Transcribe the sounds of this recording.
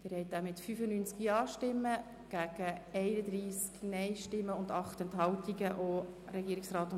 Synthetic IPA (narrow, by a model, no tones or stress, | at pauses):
ɪɾhɛɪt̚æːmɪtfyːfənyːnt͡skiɑːʃtɪmːə | ɡ̥æɡ̥əɛɪnəd̪ɾiːsknɛɪʃtɪmːəʊndɑχtɛntɦɑltiɡəʔoɾɛɡiːɾiksrɑːt̪ʊ